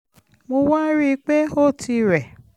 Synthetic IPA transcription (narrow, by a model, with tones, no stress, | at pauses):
mo˧wa˦ɾi˦˧k͡pe˦o˦˨ti˧ɾɛ˨